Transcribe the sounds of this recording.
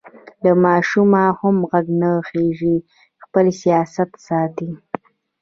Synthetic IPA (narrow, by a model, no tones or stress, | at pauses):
lamɑʃumahamɣaɡnaxeʐi | xpəlsijɑsat̪sɑt̪i